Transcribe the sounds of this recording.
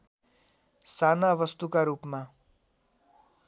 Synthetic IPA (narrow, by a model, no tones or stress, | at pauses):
saːnaʋəst̪ukaɾuːpmã